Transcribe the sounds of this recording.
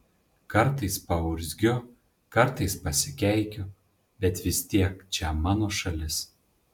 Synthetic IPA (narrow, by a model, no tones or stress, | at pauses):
kɐɾt̪ɐɪspɐʊɾʲzʲɡʲʊ | kɐɾt̪ɐɪspɐsʲɪkʲɛɪkʲʊ | bʲɛt̪ʋʲɪst̪ʲiɛkt͡ʃʲɛmɑːnoːʃɐlʲɪs